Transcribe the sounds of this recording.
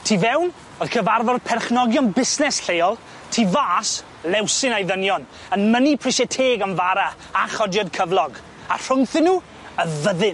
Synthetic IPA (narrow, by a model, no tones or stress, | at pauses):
tʰiːvɛwn | oð̥kʰəvarvɔrpʰɛrχnɔɡjɔnbɪsnɛsɬejɔlˠ | tʰiːvaːs | lɛwsɪnajðənjɔn | ənmənipʰrɪʃɛtʰeːɡanvaɾa | aχɔdjɔdkʰəvlˠɔɡ | ar̥ʊŋθɪnːuː | əvəðɨn